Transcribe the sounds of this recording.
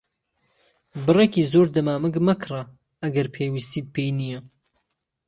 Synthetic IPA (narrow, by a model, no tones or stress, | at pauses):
bɨrekiːzoːɾd̪ɐmaːmɨɡmɐkʰɨra | ɐɡɐɾpʰeːwist̪iːt̪̚pʰejnijɐ